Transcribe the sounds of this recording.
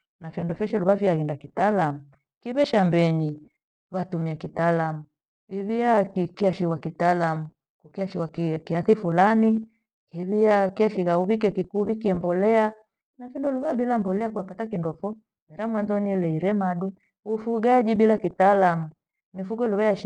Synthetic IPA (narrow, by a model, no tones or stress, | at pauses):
nafindɔfɛʃɛluβaviaɣindakitalamu | kiβɛʃambɛɲi | βatumiakitalamu | iβiakikiaʃiwakitalamu | kukiaʃiwakkiaθifulani | kiβiakiaʃiɣauβik̬ɛkikuβikiɛmbɔlɛa | nafindɔluβabilambɔlɛakuapatakindɔfɔ | mɛɾamwanzɔnilɛiɾɛmaɗu | ufuɡad͡ʒiɓilakitalamu | mifuɡɔluβajaʃ